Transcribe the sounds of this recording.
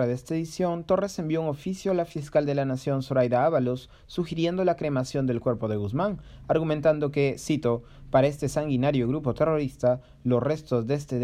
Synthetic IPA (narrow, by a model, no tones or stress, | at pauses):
aðest̪aeðisjo̞nt̪o̞re̞se̞mbjo̞uŋo̞fisjoalafiskald̪e̞lanasjo̞nsoɾajðaaβalosː | uxiɾje̞nd̪o̞lakɾe̞masjo̞nd̪e̞lkwe̞ɾpo̞ðe̞ɣuzmaŋaɾɣumẽnt̪and̪o̞ke̞sit̪o | paɾae̞st̪e̞saŋɡinaɾjoɣɾupo̞t̪e̞ro̞ɾist̪a | lo̞sre̞st̪o̞zðest̪e